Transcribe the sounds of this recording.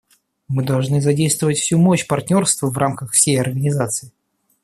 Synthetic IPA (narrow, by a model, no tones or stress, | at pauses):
mɨd̪ɐlˠʐnɨzɐdʲejst̪vəvətʲfsʲumoɕpɐrtʲnʲo̞rst̪vəvrʔamkəxfsʲejɐrɡənʲɪzat̪sɨɪ